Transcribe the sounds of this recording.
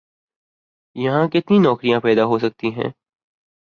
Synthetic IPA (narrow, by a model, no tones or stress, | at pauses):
jɐɦãkɪt̪ninɔːkɾijãpɛːd̪aɦosɐk̚t̪iɦɛ̰̃ː